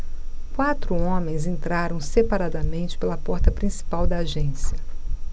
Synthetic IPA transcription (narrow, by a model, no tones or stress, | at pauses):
kwat̪ɾʊõmẽj̃zẽnt̪ɾaɾɐ̃w̃sepaɾad̪ɐmẽnt͡ʃɪ̥pelɐpɔɾt̪ɐpɾĩsi̥pawd̪ɐːʒẽsiɐ